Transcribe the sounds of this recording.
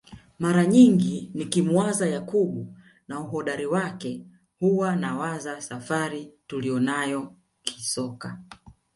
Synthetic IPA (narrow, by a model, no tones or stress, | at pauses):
maɾaɲiŋɡinikimuazajakuɓu | nauhɔɗaɾiwakɛ | huwanawazasafaɾitulijɔnajɔ | kʰi̥sɔka